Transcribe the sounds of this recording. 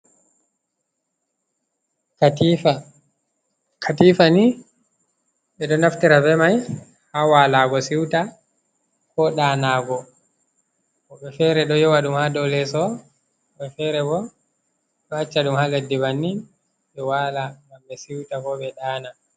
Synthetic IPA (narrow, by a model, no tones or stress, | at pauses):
kʰatifani | ɓɛɗɔnaftiɾabɛmaj | hawaːlaɡɔsiwta | kɔɗaːnaːɡɔ | kɔɓɛfɛɾɛɗɔjɔwaɗumhadɔlɛsɔ | ɓɛfɛɾɛbɔ | ɗɔhat͡ʃːaɗumhaledːibanːi | ɓɛwalaɡambɛsiwtakɔɓɛɗaːna